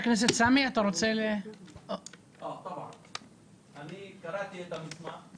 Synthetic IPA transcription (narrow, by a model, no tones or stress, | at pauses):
knes̬et̪samiat̪aɾot͡sele | ʔot̪abʕa̰n | anikaɾat̪iet̪amisma